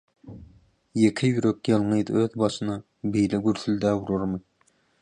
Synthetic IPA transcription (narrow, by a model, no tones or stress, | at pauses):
jekʲʰɪjyɾøkʲjɑlˠŋɨjd̪̰øðbɑʃɨnɑ | bejlɪɡʲyɾθyld̪æwuɾoɾmɨ